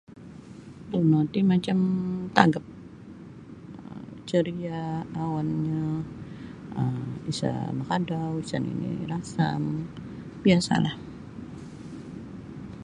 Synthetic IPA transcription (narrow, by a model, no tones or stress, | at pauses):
bunot̪imat͡ʃamt̪aɡap̚ | ət͡ʃəɾiaːwanɲa | əisa̰makadawisanḭnḭɾasa̰m | biasa̰lah